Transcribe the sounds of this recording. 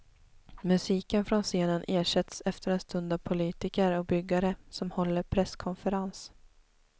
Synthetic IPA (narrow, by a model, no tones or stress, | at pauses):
mɵsiːkənfɾɔnseːnənʔeːʂɛt̪sɛft̪əɾɛnst̪ɵnd̪avpʰʊliːt̪ɪkəɾɔk̚bʏɡːaɾəsɔmhɔlːəɾpʰɾɛskʰɔnfəɾans